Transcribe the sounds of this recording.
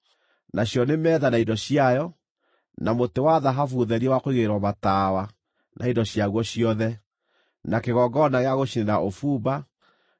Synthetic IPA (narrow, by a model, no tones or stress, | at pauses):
naɕjɔnemɛːðanaindɔɕiajɔ | namotewaðaɦafuðɛɾiɛwakoiɣeɾwɔmataːwa | nʔaidɔɕjaɣwɔɕiɔðɛ | nakeɣɔɡɔnaɣeaɣoʃinenaʔofuːba